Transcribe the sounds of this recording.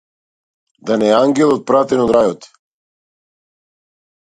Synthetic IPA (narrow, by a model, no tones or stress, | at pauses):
d̪anɛaŋɡɛlˠɔt̪̚pɾat̪ɛnod̪ɾajɔt̪